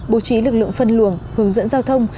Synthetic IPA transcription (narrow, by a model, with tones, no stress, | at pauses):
ɓo˨˦t͡ɕi˨˦lɨ˨˩k̚lɨ̰˧˨ŋfə˧nlu˧˩əŋhɨ˨˦əŋzə̰˧˥nzaː˧wt̪ʰə˧wŋ͡m